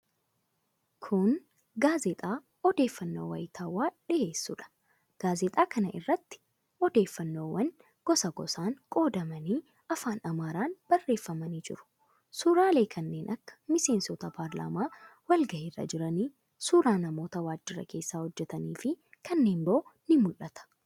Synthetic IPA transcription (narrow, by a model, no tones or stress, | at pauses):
kʰʊn | ɡaːzɛt̪ʼaː | ɔd̪eːfːɐnːo̰ːwɐ̰jɪt̪ʰaːwaːᶑɪʔe̞ːsːṵːᶑɐ̥ | ɡ̥aːzɛt̪ʼaːkʰɐnɐʔɪ̰rːɐt̪ːɪ̥ | ɔd̪e̞ːfːɐnːo̞ːwɐn | ɡ̥ɔsɐɡɔ̰saːŋkʼo̞ːd̪ɐmɐniː | ɐfaːnɐmaːɾaːnb̥ɐrːe̞ːfːɐmɐniːd͡ʒɪ̰ɾʊ̥ | suːɾaːle̞ːkʰɐnːe̞ːnʔɐkːɐ̥mɪse̞ːnsɔt̪ɐpʰaːɾla̰ːmaːwɐlɡɐʔɪrːɐ̰d͡ʒɪɾɐniː | suːɾaːnɐmo̞ːt̪ɐwaːd͡ʒːɪɾɐ̰kʰe̞ːsːaːhɔd͡ʒːɛt̪ɐniːfɪkʰɐnːe̞ːmboːnɪmʊlɐt̪ɐ̥